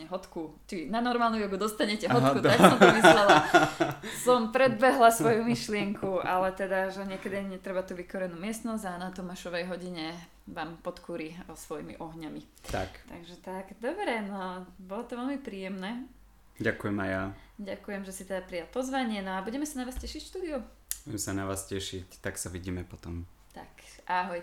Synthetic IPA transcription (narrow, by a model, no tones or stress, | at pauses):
ɛɦɔt̪ku | t͡ʃinanɔɾmaːlnɔjɔɡud̪ɔst̪aɲɛcɛɦɔtkut̪aksɔmt̪ɔmizɾɛla | sɔmpɾɛd̪̚bɛɦlasʋɔjumiʃlɪɛŋkʰuʔalɛt̪ɛd̪aʒɛɲɪɛkɛd̪iɲɛt̪ɾɛbat̪uʋikɔɾɛnuːmɪɛst̪nɔzanat̪ɔmaʃɔʋɛjɦɔɟiɲɛ | ʋaːmpɔt̪kʰuːɾisʋɔjḭmḭʔɔɦɲami | t̪a̰kt̪aɡʒɛt̪aɡd̪ɔbɾɛnɔbɔlɔt̪ɔʋɛlmipɾiːjɛmnɛː | ɟakujɛmajjaɟakujɛmʒɛsit̪ɛd̪apɾijalpɔzʋaɲɪɛnɔabuɟɛmɛsanaʋaːscɛʃicfʃt̪uːd̪iu | buɟɛmsanaʋaːscɛʃict̪aksaʋiɟiːmɛpɔt̪ɔm | t̪a̰kʔaɦɔj